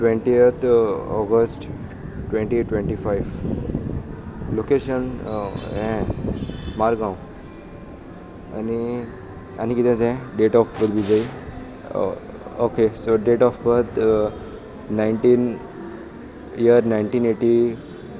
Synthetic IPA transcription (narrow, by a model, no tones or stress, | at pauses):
ʈʋeɳʈiət̪ʰɔ̰ɡəsʈ | ʈʋẽɳʈiʈʋẽɳʈifaiʋ | lokeɕənɦɛ̃ | maɾɡãw | a̰ni | a̰nikit̪ɛ̃d͡zɛ̃ɖeʈɔfpət̪bid͡zai | okesoɖeʈɔfpət̪ | naiɳʈiːn | ijəɾnaiɳʈiːneʈi